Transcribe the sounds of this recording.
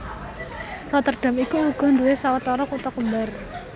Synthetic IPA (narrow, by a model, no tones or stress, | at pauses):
kat̪ərɖ̥a̤mikuuɡ̥ɔ̤nd̪uwesawat̪ɔɾɔkut̪ɔkəmbar